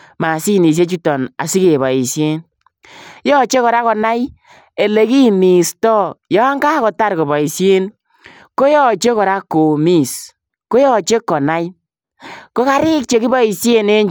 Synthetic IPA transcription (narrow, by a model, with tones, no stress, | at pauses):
ma˨si˦ni˨s̬je˦t͡ʃu˦tɔ˨na̰˨si˦ke˨βɔ˨i˨sje˦n | jɔ˦t͡ʃe˦kɔ˨ɾa˦kɔ˨na˦j | e˨le˨ki˦mi˨stɔ˦jɔ˨˦a˦ŋɡa˦kɔ˨ta˦ɾko˨bɔ˨i˨sje˦n | ko˦jɔ˦t͡ʃe˦kɔ˨ɾa˦kːo˨mi˦˨s | ko˦jɔ˦t͡ʃe˦kːɔ˨na˦j | ko˦ka˦ɾɪ˦k̚t͡ʃe˨ki˦bɔ˦i˨se˦ne˦ɲ